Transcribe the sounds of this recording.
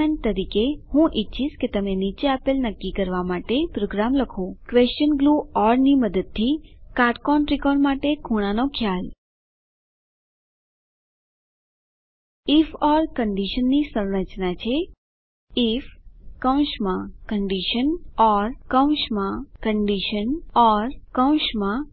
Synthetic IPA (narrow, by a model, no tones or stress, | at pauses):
en̚t̪əɾikehũʔitːʃʰiʃket̪əmenit͡ʃeapelnəkːikəɾʋamaʈepɾoɡɾamləkʰokʋest͡ʃənɡluɔɾniməd̪əd̪̚t̪ʰːikaɾʈkɔɳɾɪkɔɳmaʈekʰuɽ̃anokʰjal | ɪfɔɾkəɳɖiʃənːisəwɽət͡ʃnat͡ʃʰe | ɪfkə̃w̃ʃmãkəɳɖiʃənɔɾkə̃w̃ʃmãkəɳɖiʃənɔɾkə̃w̃ʃmã